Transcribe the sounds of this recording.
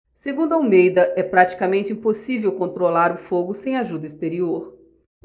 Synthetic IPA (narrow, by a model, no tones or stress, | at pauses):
seɡũnd̪ʊawmejd̪ɐʔɛpɾat͡ʃi̥kamẽnt͡ʃɪĩposivewkõnt̪ɾolaɾʊfoɡʊsẽj̃aʒud̪ɐist̪eɾioɾ